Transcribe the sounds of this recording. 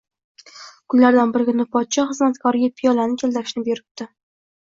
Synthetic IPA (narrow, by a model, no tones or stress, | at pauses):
kʰʊnlaɾd̪anbɪɾɪɡʲɪnɪpʰɒt̪ʃʰɒχɨzmat̪kʰɒɾɪɡʲapʰijɒlanɪkʲʰeld̪ɪɾɪʃnɪbeɾɪp̚t̪ɪ